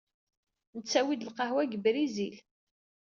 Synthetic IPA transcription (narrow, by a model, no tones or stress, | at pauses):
nət͡sːæwid̪əlqɑhwæɡəbɾizil